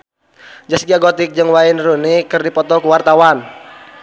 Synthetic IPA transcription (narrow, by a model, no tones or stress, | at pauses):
d͡ʒasɡiaɡɔt̪ɪk̚d͡ʒɨŋwainrunikɨrdipɔt̪ɔkuwart̪awan